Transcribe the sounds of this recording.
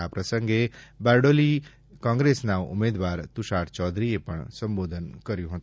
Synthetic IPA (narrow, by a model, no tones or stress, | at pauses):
apɾəsəŋɡebaɾɖoli | kãːŋɡɾesnaʋṵmeːd̪ʋaːɾt̪uʃaʈt͡ʃɔːd̪ɾiepəɳsəmboːd̪ʱənkəɾjũɦõt̪